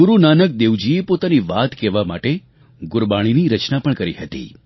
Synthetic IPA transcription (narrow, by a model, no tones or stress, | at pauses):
ɡʊɾunanək̚d̪eʋd͡ʒiepot̪aniʋat̪kɛʋama̰ʈe | ɡʊɾbaɽ̃iniɾət͡ʃnapəɳkəɾiɦət̪ḭ